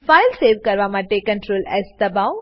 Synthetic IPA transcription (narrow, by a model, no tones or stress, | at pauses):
faːɪlseːʋkɐɾʋamãʈekə̃ɳʈɾoːlɛ̰ːsd̪ɐbaʊ